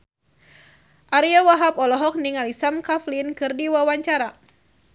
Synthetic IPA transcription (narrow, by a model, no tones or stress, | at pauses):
ʔaɾiawaɦapɔlɔɦɔk̚niŋalisamkaflinkɨrdiwawaɲt͡ʃaɾa